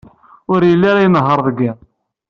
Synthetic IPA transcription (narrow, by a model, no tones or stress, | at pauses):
ʊɾjəlːaɾajnəɦːəɾˤðəɡːi